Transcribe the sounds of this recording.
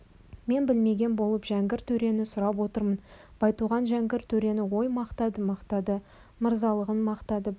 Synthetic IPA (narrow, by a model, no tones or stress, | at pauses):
me̞nbɪlme̞ɡʲe̞nbo̞lˠəpʒæŋɡʲɪɾt̪ʰɵɾe̞nɪsʊɾɑpwo̞t̪əɾmənb̥ɑjt̪uʁɑnʒæŋɡʲɪɾt̪ʰɵɾe̞nɪwo̞jmɑqt̪ɑd̪əmɑqt̪ɑd̪ə | məɾzɑlˠəʁənmɑqt̪ɑd̪ə